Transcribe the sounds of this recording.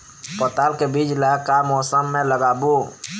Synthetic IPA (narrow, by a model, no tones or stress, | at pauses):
pət̪alkebid͡ʒlakamɔːsəmːẽləɡaːbo